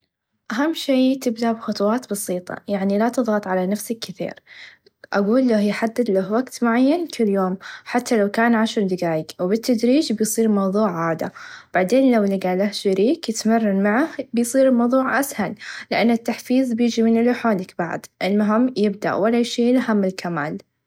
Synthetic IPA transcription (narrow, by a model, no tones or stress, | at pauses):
ʔaɦamːʃiːt̪ɪbd̪aʔbxʊt̪ˤwɑːt̪bɑsiːt̪ˤɑ̰jaʕnilat̪ɨðˤɣɑt̪ˤʕalanafsakːɪθḭːɾ | ʔaɡuːlːahjħad̪ːɪd̪lahwaɡt̪mʊʕajːankʰɪljoːmħat̪ʰːalawkaːnʕaʃɾˤd̪ɪɡaːjɪwbɪt̪ʰːad̪ɾiːd͡ʒbɪjsˤiːɾmɑwðˤuːʕʕaːd̪a̰b̥aʕd̪eːnlawlɪɡaʕlahʃaɾiːkjɪt̪marːɑnmaʕahbɪjsˤiːɾɪlmɑwðˤuːʕʔashallɪʔanːɪt̪ːaħfiːzbjɪːd͡ʒimɪnɪlħaːlɪkb̥aʕd̪ʔɪlmʊɦɪmːjɪbd̪a̰ʔwalaʃeːlaɦamːɪlkʰama̰ːl